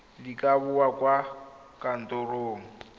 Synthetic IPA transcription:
likʼaβʊwakʼwa | kʼan̩tʼoroːŋ̩

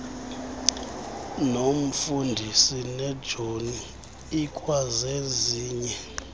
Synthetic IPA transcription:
nom̩fundʱisinɛd̥ʒ̥ʱoniː | kʼwazeziːɲɛ

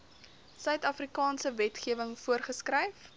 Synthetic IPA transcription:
sœɥtɐfrikɑːnsəvɛtχiəvəŋfuərχəskrɛjf

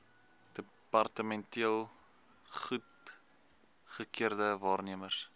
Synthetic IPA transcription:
d̥ə | pɐrtəmɛntiəlˠ | χut | χəkiərdəvɑːrniəmərs

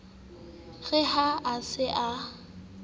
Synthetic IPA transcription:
ɣɛhaasɪʔa

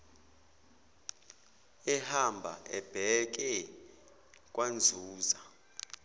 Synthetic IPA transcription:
ɛhambʱa̰ʔɛb̥ʱɛk̬ʼɛ | kʼwand͡zʱuːza

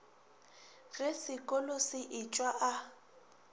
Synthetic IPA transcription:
ɣɪsɪkʼɔlosɪʔɪt͡ʃʼwaʔa

